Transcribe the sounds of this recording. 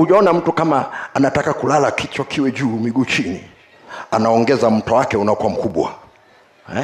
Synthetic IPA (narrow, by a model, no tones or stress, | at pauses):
uʄaɔnam̩tukamaːnatakakulalakʰit͡ʃɔkʰiwɛʄuːmiɡuːt͡ʃinḭ | anaɔŋɡɛzam̩tɔwakɛunaɔkuwam̩kuɓwa̰